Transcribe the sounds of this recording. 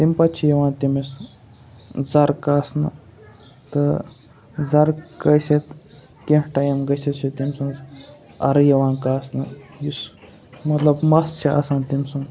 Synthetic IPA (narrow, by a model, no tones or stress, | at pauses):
t̪imʲpɐtt͡ʃʰijɐʋãːnt̪imes | zɐɾkaːsnɨ̰ | t̪ɨ | zɐɾɡɐjset̪ | kinʈɐjɐmɡɐset͡ʃʰit̪imsɨŋs | ɐ̰ɾjɐʋaːnkaːsnɨjis | mɐt̪lɐbmɐst͡ʃʰia̰sãːnt̪imsuŋ